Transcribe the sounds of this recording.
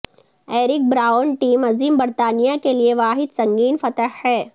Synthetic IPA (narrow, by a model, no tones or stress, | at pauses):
eːɾɪk̚bɾaːənʈiːmɐziːmbɐɾt̪aːnijakelieʋaːɦɪd̪sɐ̃ŋɡiːnfɐt̪əɦhɛː